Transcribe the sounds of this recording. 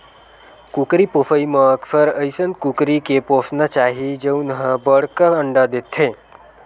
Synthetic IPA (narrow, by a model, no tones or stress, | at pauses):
kukɾipofʰəiməəksəɾəjsənkukɾikeposnat͡ʃaɦid͡ʒeunɦə̃bəɽkaəɳɖad̪et̪ʰe